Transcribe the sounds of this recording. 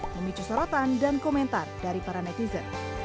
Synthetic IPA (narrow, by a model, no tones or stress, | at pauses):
məmit͡ʃusɔɾɔt̪andankɔmɛnt̪ardaɾipaɾanɛt̪izən